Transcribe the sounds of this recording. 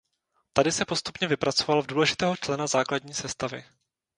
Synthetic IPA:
t̪adɪsɛpo̞st̪u̥pɲɛvɪpɾʔat͡so̞valvduːlɛʒɪt̪ɛːɦo̞t͡ʃlɛnazaːkladɲiːsɛst̪avɪ̰

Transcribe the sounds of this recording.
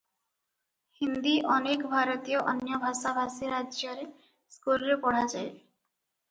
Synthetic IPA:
hind̪iʔɔnekbʱaɾot̪ioʔɔnjɔbʱaʃabʱasiɾad͡ʑoɾe | skulɾepɔɽ̤ad͡ʑae

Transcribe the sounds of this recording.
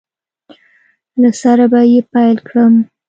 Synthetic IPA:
lasaɾabajepajlkɽəm

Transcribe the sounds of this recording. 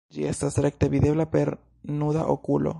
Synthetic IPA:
d͡ʒiest̪asɾek̚t̪eβiðeβlapeɾ | nuða̰ʔo̰kulo̰

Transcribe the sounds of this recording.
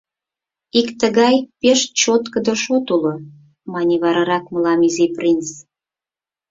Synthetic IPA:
ikt̪əɣɑjpeʃt͡ɕot̪kəd̪əʃot̪ulo | mɑnʲiβɑɾɑɾɑkməlɑmiziprʲins

